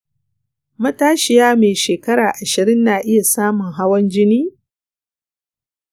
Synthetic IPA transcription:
mɐ˦taː˦ʃɪ˨jaː˦meː˨ʃeː˨kɐ˦ɽaː˨ʔa˨ʃɪ˨ɾɪ˦nːaː˨ʔɪ˦ja˨saː˦mʊ˨ŋɦa˦wɐ˦nd͡ʒɪ˦niː˦

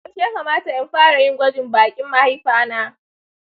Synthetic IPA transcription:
ɐ˦t͡ʃja˦kaː˨maː˦ta˨jɐ˦mɸaː˦ɽa˨jɪ˦ŋɡʷɐ˦d͡ʒɪ˨mbaː˨kʲʼɪ˦mːa˦ha˦jɸaː˦naː˦

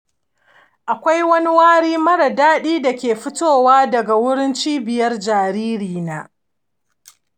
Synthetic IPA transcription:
ʔa˨kʷa˦jwɐ˦ni˦waː˦ɽiː˦mɐ˦ɽa˨daː˦ɗiː˦da˨kʲeː˨ɸʊ˦toː˦˨waː˦dɐ˨ɡa˨wʊ˦ɽɪ˦nt͡ʃiː˦bɪ˨jɐ˦rd͡ʒaː˨ɾiː˦ɾiː˨naː˦

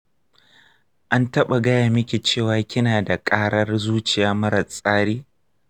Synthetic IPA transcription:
ʔa˦ntɐ˦ɓa˨ɡɐ˦jaː˨mɪ˦kʲe˨t͡ʃeː˦˨waː˦kʲɪ˦naː˨da˨kʼaː˦ɽɐ˦rzuː˦t͡ʃɪ˨jaː˦mɐ˦ɾɐ˨sʼaː˦ɽiː˦

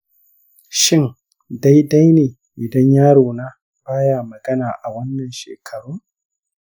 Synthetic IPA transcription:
ʃɪ˦˨ŋ | da˦jda˦jneː˨ | ʔɪ˨dɐ˦ɲjaː˦ɽoː˨naː˦ | b̥aː˦jaː˦˨mɐ˨ɡɐ˦naː˨ʔa˨wɐ˦nːɐ˨nʃḛː˨kʰɐ˨ɽuː˦ŋ

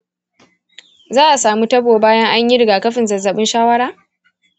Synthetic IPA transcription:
zaː˦ʔa˨saː˨mu˦tɐ˦boː˨baː˦jɐ˦ŋʔa˦ɲji˦ɾɪ˨ɡaː˨kɐ˦ɸɪ˨nzɐ˨zːɐ˨ɓɪ˦nʃaː˦wɐ˦ɽaː˦

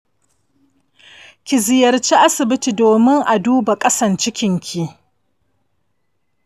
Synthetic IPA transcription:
kʲɪ˨zɪ˨jɐ˨rt͡ʃi˦ʔa˦sɪ˨bɪ˦ti˨doː˨mɪ˦ŋʔa˨duː˦ba˨kʼɐ˦sɐ˨nt͡ʃɪ˦kʲɪ˨ŋkʲʰi˨ʔ

